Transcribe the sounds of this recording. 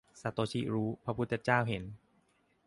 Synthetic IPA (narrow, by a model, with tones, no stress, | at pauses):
sa˨˦t̪oː˧˦t͡ɕʰi˧˥ɾuː˦˥pʰɾa˧pʰu˦˥t̪ʰːe˧t͡ɕaː˥˩wɦe˩˦n